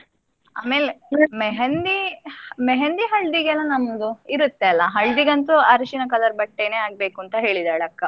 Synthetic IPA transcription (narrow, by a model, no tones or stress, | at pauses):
aːmeːlemeɦend̪imeɦend̪iɦɐɭd̪iɡɛlːɐnɐmd̪uiɾut̪ːeɐlːɐɦɐɭd̪iɡɐnt̪uɐɾʃinɐkɐlɐɾbɐʈːene̞ːaːɡ̚be̞ːkuːnt̪ɐɦe̞ːɭid̪aːɭeɐkːɐ